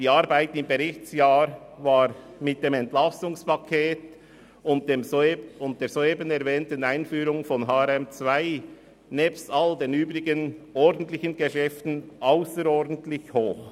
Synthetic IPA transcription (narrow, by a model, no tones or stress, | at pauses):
d̥iːaɾbaɪtɪmbeʁɪçt͡sjaːɾvaːɾmɪt̚d̥eːmɛntlasʊŋspakʰeːt | ʊntemʊnt̚d̥eːzoːeːbənɛɾvɛːntənaɪnfyːɾʊŋfɔnɦaːɛɾɛmt͡svaɪ | nɛːpstaldeːnyːbɾɪɡənɔɾdən̩tlɪçənɡəʃɛftn̩ʔaʊsəɾɔɾdən̩tlɪçhoːx